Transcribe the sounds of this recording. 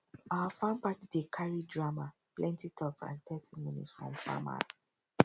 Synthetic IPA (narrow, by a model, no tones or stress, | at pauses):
awafãmpatidekʰaɹidɹama | plɛ̃ntitʰɔksã̰ntʰɛstimonḭsfɹɔ̰̃mfa̰ma̰